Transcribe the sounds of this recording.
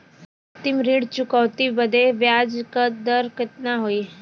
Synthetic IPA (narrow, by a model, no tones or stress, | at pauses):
ət̪imɾiːɽt͡ɕukəwt̪ibəd̪ʱeʋjad͡zkəd̪əɾkət̪naɦoi